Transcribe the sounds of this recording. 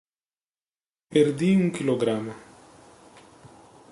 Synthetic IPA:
pʲɛɾd̪ʲiːjũkʲɪlʲˠoɡɾaːma

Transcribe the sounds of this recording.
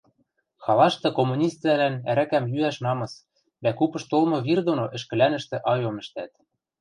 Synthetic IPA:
xɑlɑʃt̪ɤ̆komːunʲist̪vælænæ̰ɾækæmjyæʃnɑmɤ̆s | d̪ækupɤ̆ʃt̪olˠmɤ̆βird̪onoʔɘ̆ʃkɘ̆lænɘ̆ʃt̪ĕʔɑjomɘ̆ʃt̪æt̪

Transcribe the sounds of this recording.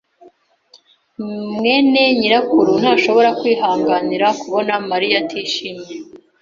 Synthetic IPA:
mŋe̞ːne̞ɲiɾakuɾun̥haːʃo̞βo̞ɾakwiːɦaːŋɡaniɾakuβo̞namaɾijatʰiːʃiːmɲe

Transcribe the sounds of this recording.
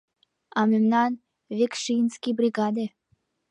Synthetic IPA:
ɑmemnɑn | vʲekʃinskʲibɾʲiɡad̪e

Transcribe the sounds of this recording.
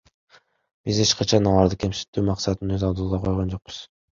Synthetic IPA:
b̥ize̞t͡ʃqɑt͡ʃʰɑnɑlˠɑɾd̪ɯkʲʰe̞msi̥t̪ːyːmɑqsɑt̪ənøzɑlˠd̪ulˠʁɑqʰo̞jʁond͡ʒo̞q̚bɯ̥z̥

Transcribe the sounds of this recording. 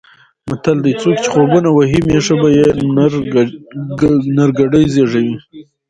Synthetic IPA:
mat̪ald̪əjt͡sokt͡ʃɪ̥χobunawaɦimeʂabajeɾ | naɾɡaɖəjzeʐawi

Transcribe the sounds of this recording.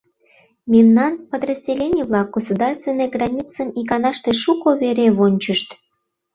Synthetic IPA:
memnɑnpəd̪rəzʲdʲelʲenʲiβlɑk̚ɡ̥osud̪ɑrst̪vʲenːəjɡrɑnʲit͡səmikɑnɑʃt̪eʃukoβeɾeβonʲt͡ɕəʃt̪

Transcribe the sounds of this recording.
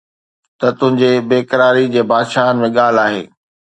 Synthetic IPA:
t̪ɐt̪ʊ̃ɦɪ̃ɲd͡ʑebeːkəɾaːɾid͡ʑeːbaːd̪ʃaːɦənɪ̆mẽɠaːl̤aːɦeː

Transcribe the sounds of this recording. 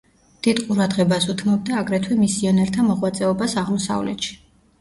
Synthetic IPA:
d̪̥id̪qʼuɾad̪ʁɛbasut̪ʰmɔb̚d̪aːɡɾɛt̪ʰwɛmisiɔnɛɾt̪ʰamɔʁwat̪sʼɛɔbasaʁmɔsa̰vlɛ̰t̪ʃi̥

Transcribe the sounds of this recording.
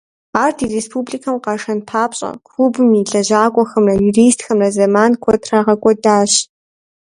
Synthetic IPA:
aːrtʰiːrespʰuːbɮikʰɐmqɑʂɐnpʰaːpɕʼɐ̰kʷʰuːbɨmiːɮɐʑaːkʷʼɔxɐmrɐjuriːstxɐmrɐzɐmaːnkʷʰɔtʰraʁɐkʷʼɔdaːɕ

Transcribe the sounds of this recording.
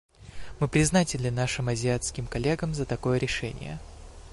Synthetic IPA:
mɨpɾʲɪznatʲɪnʲlʲɪnaʂɨmɐzʲɪat̪skʲɪmkɐlʲe̞ɡəmzət̪ɐko̞jəɾʲɪʂɛnʲɪ̰jə̰

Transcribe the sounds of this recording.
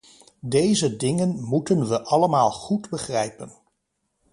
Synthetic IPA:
dejzədɪŋənmutənʋəʔɑləmaːlˠχudbəχrɛjpən

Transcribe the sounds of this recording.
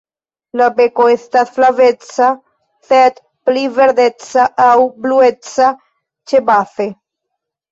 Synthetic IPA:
labekoestasflavet͡sa | sed̪ | plive̞ɾd̪et͡saʔawbluet͡sa | t͡ʃebaθe

